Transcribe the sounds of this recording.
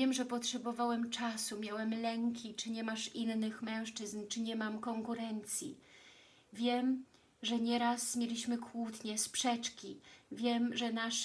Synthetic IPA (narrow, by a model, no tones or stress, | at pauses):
jɛmʐɛpɔtʂɛbɔvawɛmt͡ʂasumʲjawɛmlɛŋkʲʰit͡ʂɘɲɛmaʂinːɘxmɛ̃w̃ʂt͡ʂɘznt͡ʂɘɲɛmamkɔŋkuɾɛnt̪sʲjḭ | vʲjɛm | ʐɛɲɛɾasmʲjelʲiɕmɘkʰwut̪ɲɛspʂɛt͡ʂkʲivʲjɛmʐɛnaʂ